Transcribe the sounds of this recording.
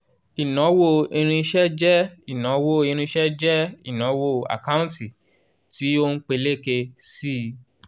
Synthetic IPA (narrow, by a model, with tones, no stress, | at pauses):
i˨nɔ̃˨˦wo˦˨i˧ɾ̃ĩ˧ʃɛ˦d͡ʒɛ˦i˨nɔ̃˨˦wo˦˨ĩ˧ɾ̃ĩ˧ʃɛ˦d͡ʒɛ˦ḭ˦˨nɔ̃˨˦wo˦˨a̰˨ka˦ũ˦ti˨ | ti˨˦o˦n̩˦k͡pe˧le˦˨ke˧si˦